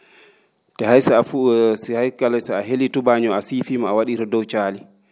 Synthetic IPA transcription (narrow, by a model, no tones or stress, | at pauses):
tɛhajsɛafushajkalɛsɛaɦelitubaɲɔasifiːmaawaɗiɾɔdɔwt͡ʃaːli